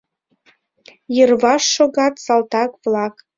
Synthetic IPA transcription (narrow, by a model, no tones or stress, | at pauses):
jərvɑʃːoɣɑt̪sɑlˠt̪ɑkvlˠɑk